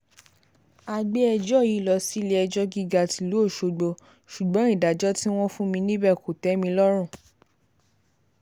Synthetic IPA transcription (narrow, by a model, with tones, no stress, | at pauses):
a˧ɡ͡be˦ɛ˧d͡ʒɔ˦˨ji˨˦lɔ˧˦si˦le˦ɛ˧d͡ʒɔ˦ɡi˦ɡa˧ti˧lu˦o˦˨ʃo˨˧ɡ͡bo˧ | ʃu˨ɡ͡bɔ̃˨˦i˦˨da˨d͡ʒɔ˦ti˦w̃ɔ̃˦fũ˦mĩ˧nĩ˦bɛ˦˨ko˨tɛ˨˦mĩ˧lɔ˦ɾ̃ũ˦˨